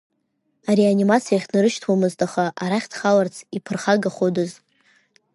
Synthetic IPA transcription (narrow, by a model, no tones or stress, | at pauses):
aɾeanimat͡sʰijaχʲnɨɾɨʃtʰwamɨztʰʼaχaʔaɾaχʲdχalart͡sʰipʰɨrχaɡaχodɨz